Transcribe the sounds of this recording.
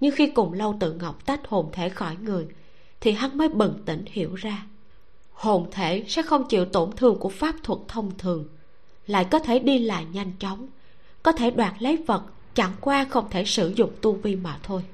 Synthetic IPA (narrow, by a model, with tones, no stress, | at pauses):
ɲɨ˧ŋxi˧kʊ˨˩ŋ͡mlə˧wt̪ɨ̰˧˨ŋə˨˩wk͡p̚t̪a˦˥k̟̚ho˨˩mt̪ʰe˧˩xɔ˧˩jŋɨ˨˩əj | t̪ʰi˨˩ɦa˨˦nməː˨˦jɓə˨˩ŋt̪ï˧˩ŋ̟hḭ˧˩əwzaː˧ | ho˨˩mt̪ʰe˧˩sɛ̰˧˥xə˧wŋ͡mt͡ɕḭ˧˨əwt̪o˧˩nt̪ʰɨ˨˩əŋku˧˩əfaː˦˥p̚t̪ʰwə˨˩k̚t̪ʰə˧wŋ͡mt̪ʰɨ˨˩əŋ | la̰ː˧˨jkɔ˨˦t̪ʰe˧˩ɗi˧la̰ː˧˨jɲa˧jŋ̟t͡ɕɔ˨˦wŋ͡m | kɔ˨˦t̪ʰe˧˩ɗwaː˨˩t̚lə˨˦jvə˨˩t̚ | t͡ɕa˧˩ŋkwaː˧xə˧wŋ͡mt̪ʰe˧˩sɨ˧˩zʊ̰˧˨ŋ͡mt̪u˧vi˧maː˨˩t̪ʰo˧j